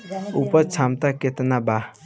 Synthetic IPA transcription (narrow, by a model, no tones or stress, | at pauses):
upɔt͡ʃʰamt̪aket̪naba